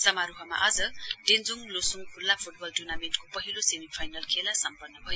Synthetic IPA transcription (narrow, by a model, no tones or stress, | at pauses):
sʌmaɾuɦʌma̰ʔʌd͡zʌɖend͡zuŋlosuŋpʰulːapʰuʈ̚bʌlʈunamenʈkopʌɦilosemipʰajnʌlkʰelasʌmpʌnːʌbʱʌjo